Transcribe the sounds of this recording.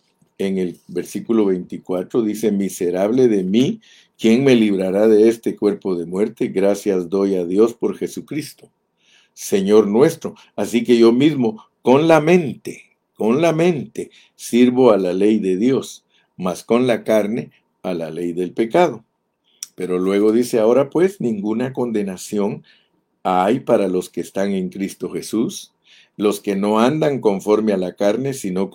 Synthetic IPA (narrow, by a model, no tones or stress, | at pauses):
e̞ŋe̞lbe̞ɾsikulo̞βe̞jnt̪ikwat̪ɾoðise̞mise̞ɾaβle̞ðe̞mi | kje̞ŋme̞liβ̞ɾaɾaðe̞est̪e̞kwe̞ɾpo̞ðe̞mwe̞ɾt̪e̞ɣɾasjazd̪o̞jaðjo̞spo̞ɾxe̞sukɾist̪o̞ | se̞ɲo̞ɾnwe̞st̪ɾo̞ | asike̞ʝo̞mizmo̞ | ko̞nlamẽ̞nt̪e | ko̞nlamẽ̞nt̪e̞ | siɾβo̞alale̞jðe̞ðjo̞s | masko̞nlakaɾne̞ | ala̰le̞jðe̞lpe̞kað̞o̞ | pe̞ɾo̞lwe̞ɣ̞o̞ðise̞aoɾapwe̞snĩŋɡunako̞nd̪e̞nasjo̞ŋ | ajpaɾalo̞skeːst̪aŋe̞ŋkɾist̪o̞xe̞sus | lo̞ske̞no̞and̪aŋko̞ɱfo̞ɾme̞alakaɾne̞sino̞